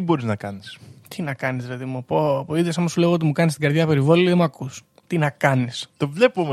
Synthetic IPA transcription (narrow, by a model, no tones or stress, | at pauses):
ibo̞ɾiznɐkɐnist̪ʰinɐkɐnizðilɐðimupopoiðosɐmosule̞ɣoot̪imukɐnistiɡɐɾðʝɐpe̞ɾivoliðemuɐkʰus | t̪inɐkɐnist̪ovle̞pomo